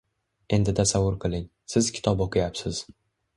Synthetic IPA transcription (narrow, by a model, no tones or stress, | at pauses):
e̞nd̪ɪt̪ʰasavːʊɾqʰɨlˠɪŋ | sɪz̥kʲʰɪ̥t̪ʰɒboqʰɨjapsɪz̥